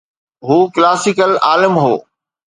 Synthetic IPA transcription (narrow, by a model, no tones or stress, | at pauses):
ɦuːklaːsɪkəlaːlɪmɦo̰ː